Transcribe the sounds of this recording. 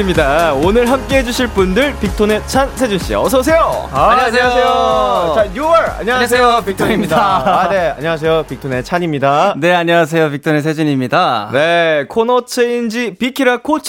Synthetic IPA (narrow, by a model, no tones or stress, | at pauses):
mɲidaonɯɭɦamk͈e̞ɦe̞d͡ʑuɕʰiɭp͈undɯɭpik̚tʰone̞t͡ɕʰansʰe̞d͡ʑunɕ͈io̰ʌs̬ʰʌs̬ʰe̞joaɲɲaseejot͡ɕajuaɾa̰ɲːʌas̬ʰejopik̚t̪ʰoɲimɲidanea̰ɲʌwas̬ʰe̞jopik̚tʰone̞t͡ɕʰaɲimɲidane̞aɲiwas̬ʰe̞jop̬ik̚tʰones̬ʰe̞d͡ʑuɲimɲidane̞kʰonʌt͡ɕʰeind͡ʑipikʰiɾakʰot͡ɕʰ